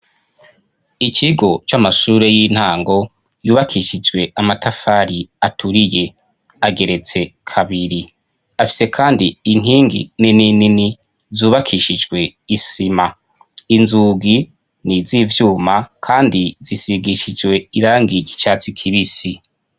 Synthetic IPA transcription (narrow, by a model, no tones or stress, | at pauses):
it͡ʃiɡo̞t͡ʃamaʃuːɾe̞jiːn̥haːŋɡo̞ | juːβakʰiʃid͡ʒɡwe̞amatafaɾiatʰuɾije̞ | aɡe̞ɾe̞t͡se̞kʰaβiɾi | afi̥se̞kʰaːndin̥ɦiːŋɡḭnininini | zuːβakʰiʃid͡ʒɡwe̞isima | inzuːɡi | niziːvjuːmakʰaːndizisiɡiʃid͡ʒwe̞iɾaːŋɡiɟit͡ʃat͡sikʰiβisi